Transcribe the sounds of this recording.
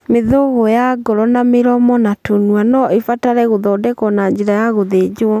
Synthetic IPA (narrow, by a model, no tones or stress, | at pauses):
meðoɣojaɡɔɾɔnameɾɔmɔnatonuanɔefataɾɛɣoðɔdɛkɔnaɲd͡ʑeɾajaɣoðed͡ʑoɔ